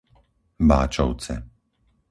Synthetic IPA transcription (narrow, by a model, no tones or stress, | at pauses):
ba̰ːt͡ʃɔ̰ʊt͡sɛ̰